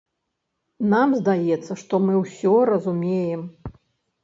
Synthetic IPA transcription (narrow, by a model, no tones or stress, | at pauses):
namzd̪ajɛt̪sːɐʂt̪ɔmɨwsʲɔɾɐzumʲejɛm